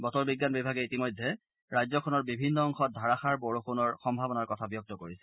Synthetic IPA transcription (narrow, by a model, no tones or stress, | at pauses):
bɔtɔɹbiɡːanbibʱaɡɛitimɔjdʱːɛ | ɹajzɔkʰɔnɔɹbibʱinːɔɔŋxɔt̚dʱaɹaxaɹbɔɹoxunɔɹxɔmbʱabɔnaɹkɔtʰabijɔk̚tɔkoɹisɛ̥